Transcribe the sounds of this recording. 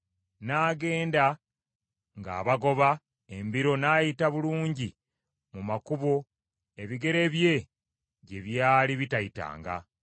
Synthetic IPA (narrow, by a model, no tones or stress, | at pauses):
naːɡe̞ːnda | ŋɡa̰ːβaɡo̞βa | embiɾo̞naːjitaβuluːɲɟi | mumakuβo̞ | e̞βiɡe̞ɾe̞βje̞ | ɟe̞βjaːliβitaita̰ːŋɡa̰